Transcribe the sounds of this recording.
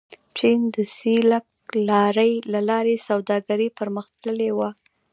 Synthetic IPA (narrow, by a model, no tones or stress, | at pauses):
t͡ʃind̪əsilak̚ | lɑɾəjlalɑɾesawd̪ɑɡaɾipəɾməxt̪ləlewa